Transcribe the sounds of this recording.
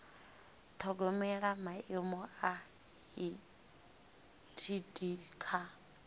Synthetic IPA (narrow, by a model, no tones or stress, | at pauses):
t̪ʰɔɡɔmɛɺamaemɔa | i | tʰidʼiːkʰa